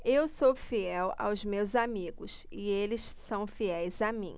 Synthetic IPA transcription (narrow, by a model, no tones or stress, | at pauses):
ewsofiɛwa̰wzmewzamiɡʊsɪelɪsːɐ̃w̃fiɛjzamḭ̃